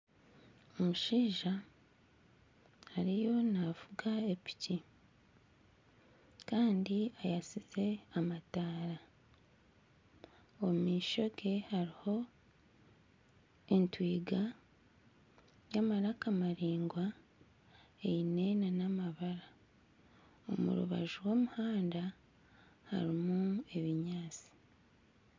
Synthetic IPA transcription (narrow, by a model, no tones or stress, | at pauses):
omuʃiːʒa | haɾijo̞navuɡaepi̥ci | kaːndiajasize̞amataːɾa | omiːʃo̞ɡe̞haɾiho̞ | entwiːɡa | jamaɾakamaɾiːŋɡwa | ejinenanamaβaɾa | o̞̰mṵɾṵβa̰ʒuwoːmuhaːnda | ha̰ɾimue̞βiɲaːt͡si̥